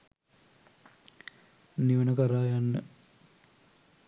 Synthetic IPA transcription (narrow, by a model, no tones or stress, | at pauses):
niʋənəkəɾaːjanːə